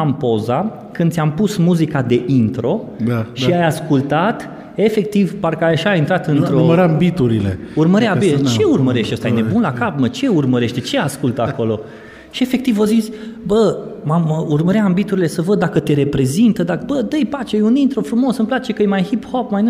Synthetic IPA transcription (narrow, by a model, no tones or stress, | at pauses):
ampo̞za | kɨnsʲampusmuzikad̪e̞ʔint̪ɾo̞ | ʃiajaskult̪at̪ | e̞fe̞k̚t̪ivparkəajʃaint̪ɾat̪ɨnt̪ɾoməɾambit̪uɾilḛurməɾabit͡ʃe̞urməɾe̞ʃt̪eost̪ajne̞bunlakapmət͡ʃe̞urməɾe̞ʃt̪et͡ʃe̞askult̪əako̞lo̞ | ʃie̞fe̞k̚t̪ivozit̪sʲbəmaməurməɾeambit̪uɾile̞səvəd̪̚d̪akət̪e̞ɾe̞pɾe̞zint̪əd̪abəd̪əjpat͡ʃejunint̪ɾo̞fɾumo̞sɨmplat͡ʃe̞kəjemajhiphopmajn